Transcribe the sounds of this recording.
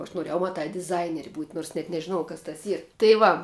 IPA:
oː ɐʃ noːˈrʲeːjɛʊ mɐˈtɑː dʲɪˈzɐɪnʲɛrʲɪ buːtʲ noːrs nʲɛt nʲɛʒʲɪˈnoːjɛʊ kɐs tɐs ˈiːr tɐɪ ˈʋɐ

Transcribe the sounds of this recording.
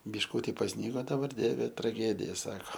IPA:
bʲɪʃˈkuːtʲɪ pɐsʲˈnʲiːɡoː dɐˈbɐr ˈdʲiɛʋʲɛ trɐˈɡʲæːdʲɪjɛ ˈsɑːkoː

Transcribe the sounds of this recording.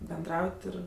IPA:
bʲɛnˈdrɐʊtʲ ˈɪr

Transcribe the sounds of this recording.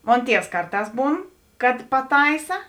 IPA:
ˈmoːn ˈtʲiɛws ˈkɐrˌtɑːs ˈbuːn kɐt pɐˈtɐɪsɐ

